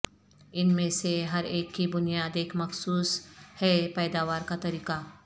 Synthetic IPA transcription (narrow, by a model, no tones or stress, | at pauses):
ɪnmẽseɦɐɾeːkːibʊnɪjaːd̪eːkmɐxsuːshɛːpɛːd̪aːʋaːɾkat̪ɐɾiːka